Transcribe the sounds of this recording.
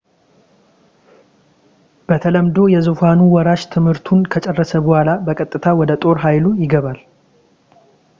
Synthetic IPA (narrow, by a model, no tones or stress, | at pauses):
b̥ət̪ʰələmd̪o̞jɛzufanuwɔɾaʃt̪ʰɨmhɨɾt̪ʰunkʰət͡ʃʼɛrːəsəbɔhʷalabəkʼət̪ʼːɨt̪ʰawɔd̪ət̪ʼo̞ɾɦajlujɪɡəβal